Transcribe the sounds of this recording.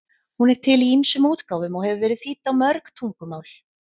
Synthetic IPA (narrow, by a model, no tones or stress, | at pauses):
hunɛɾ̥t̪ʰɪliinsʏmuːt̪kaːwvʏmɔɣhɛvʏvɛːɾɪðθiːt̪ːawmœɾkt̪ʰuŋkʏmaːwl̥